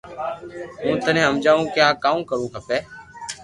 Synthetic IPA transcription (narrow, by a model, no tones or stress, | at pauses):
mũːt̪ənẽːɦəmd͡ʒaːũːkjaːkaːũːkəɾũːɦʰəpɛː